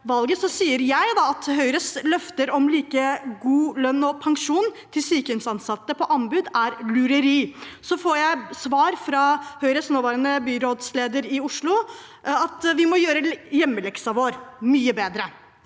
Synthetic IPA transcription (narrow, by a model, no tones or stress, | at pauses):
ʋɑlɡəsɔsiːəɾjæɪd̪ɑɑt̪ɦœʏɾəslœft̪əɾɔmliːkəɡuːlœnːɔpʰɑŋʂuːnt̪ʰɪlsyːkəʉnsɑnsɑt̪ːəpʰɔʔɑnbʉd̪æɾlʉɾəɾiːsɔfoːɾjæɪsʋɑːɾfɾɑhœʏɾəsnoːʋɑːɾɑnəbyːɾoːd̪sleːd̪əɾɪʊʂɭʊ | ɑt̪ʋɪmɔjøːɾəjɛmːəlɛksɑʋoːɾmyːəbeːd̪ɾə